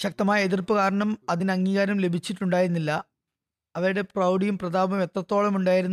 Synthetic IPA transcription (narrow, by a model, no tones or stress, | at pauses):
ɕɐk̚t̪ɐmaːjɐeðirpːɨkaːɾɐɳɐmɐðinɐŋːiːɣaːɾɐmle̞bʱit͡ɕːiʈːuɳɖaːjiɾunːilːɐ | ɐʋɐɾuɽe̞prɐwɖijumprɐd̪aːbɐmjet̪rɐt̪ːo̞ːɭɐmuɳɖaːjiɾunː